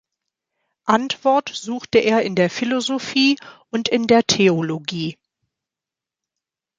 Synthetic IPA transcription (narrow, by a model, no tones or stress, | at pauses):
ʔantv̥ɔɐtz̥uːxtəʔeːɐɪndeːɐfilozofiːʔʊntɪndeːɐtʰeoloɡiː